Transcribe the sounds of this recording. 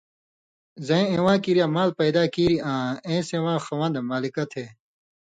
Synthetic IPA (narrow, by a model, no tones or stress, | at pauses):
zɐ̃ẽẽwãːkiɾjaːmaːlpɐjd̪aːkiːɾiãːẽːsẽːwãːxɐwãːnd̪emaːlikɐt̪ʰeː